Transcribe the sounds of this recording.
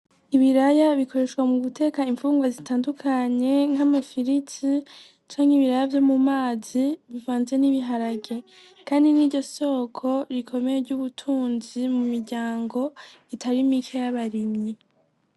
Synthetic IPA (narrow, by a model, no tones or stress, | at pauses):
iβiɾajaβikʰo̞ɾe̞ʃɡwamuɡutʰe̞kaiɱfuːŋɡwazitaːndukʰaɲe̞ŋ̥hamafiɾiti | t͡ʃaːŋ̥hiβiɾajavjo̞mumaːziβivaːnze̞niβiɦaɾaɡe̞ | kaːndiniːɾɟo̞so̞ːkʰo̞ɾikʰo̞me̞jeɾɟuβutʰuːnzimumiɾɟaːŋɡo̞ | itʰaɾimikʰejaβaɾimɲi